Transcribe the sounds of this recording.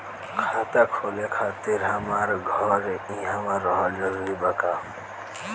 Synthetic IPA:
kʰat̪akʰolekʰat̪iɾɦamaɾɡʱɔɾĩɦamaɾɔɦʌld͡ʒʌɾuɾibaka

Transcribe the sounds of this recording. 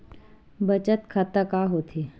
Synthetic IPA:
bət͡ʃət̪kʰat̪akaɦoːt̪ʰe

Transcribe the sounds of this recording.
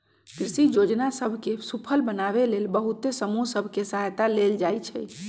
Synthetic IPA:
kɾisid͡ʒod͡ʒnasəbʱkesupʰəlbənaβelelbəɦut̪esəmusəbʱkesəɦajt̪aleld͡ʒajt͡ʃʰɛ

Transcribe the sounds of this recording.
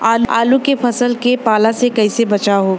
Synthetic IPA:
aːla̰ːlukefʰɐsəlkepaːlasekɐisebɐt͡ʃaɦoː

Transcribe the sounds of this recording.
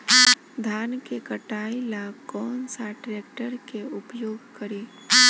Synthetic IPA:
d̪ʱaːnkekəʈaːilakɔːnsaʈɾeːkʈəɾkeʊpjoːɡkəɾiː

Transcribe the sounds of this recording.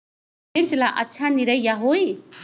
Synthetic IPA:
iɾt͡slaʔʌtːʃʰaniɾʌjjaɦoj

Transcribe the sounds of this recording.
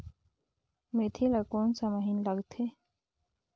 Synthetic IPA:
met̪ʰilɐkoːnsamɐɦinlɐɡt̪ʰe

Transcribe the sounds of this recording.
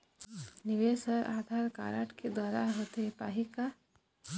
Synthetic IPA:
nɪʋeːsəɾʔa̰ːd̪ʱaːɾka̰ːɾa̰ːʈked̪waːɾaɦoːt̪epa̰ːɦika

